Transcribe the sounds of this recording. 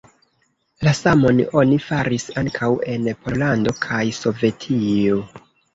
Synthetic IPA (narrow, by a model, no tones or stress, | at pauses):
lasamo̞no̞nifaɾisaŋkʰawe̞npʰo̞lando̞kʰajso̞ve̞tʰio̞